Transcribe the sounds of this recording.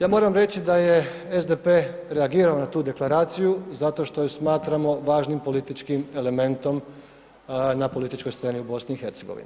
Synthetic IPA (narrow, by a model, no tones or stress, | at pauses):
jaːmo̞ːɾamɾe̞t͡ɕid̪aje̞ezd̪e̞pe̞ːɾe̞aɡiːɾaonat̪uːd̪e̞klˠaɾaːt̪sijuzat̪o̞ʃt̪o̞jesmaːt̪ɾamo̞ʋaːʒnimpo̞lit̪it͡ʃkime̞le̞me̞nt̪o̞m | napo̞lit̪it͡ʃko̞jst̪se̞ːniubo̞sniːxe̞ɾt̪seɡo̞ʋḭnḭ